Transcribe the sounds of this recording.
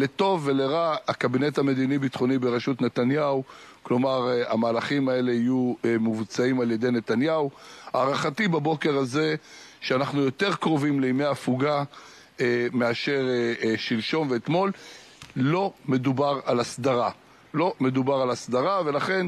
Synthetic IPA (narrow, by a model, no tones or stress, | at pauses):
le̞t̪o̞vːe̞le̞ʁaakabine̞t̪hame̞d̪inibit̪χo̞nibeʁeʃut̪net̪anjau | klo̞maʁa̰maːlaχimae̞le̞ijuemuvt͡saimaljed̪e̞jne̞t̪anjauaːʁaχatibabo̞ke̞ʁaze̞ | ʃeanaχnujo̞t̪e̞ʁkʁo̞vimleimejafuɡa | emeaʃe̞ʁeʃilʃo̞nveːt̪mo̞l | lo̞me̞d̪ubaʁalasd̪aʁa | lo̞me̞d̪ubaʁalasd̪aʁave̞laχe̞n